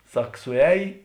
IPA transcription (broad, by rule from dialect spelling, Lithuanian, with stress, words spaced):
ˈsɐk sʊˈɛːj